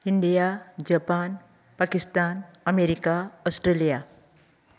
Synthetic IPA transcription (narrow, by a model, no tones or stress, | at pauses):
iɳɖijad͡zʌpan | pakist̪anʌmeɾikaɔsʈrelija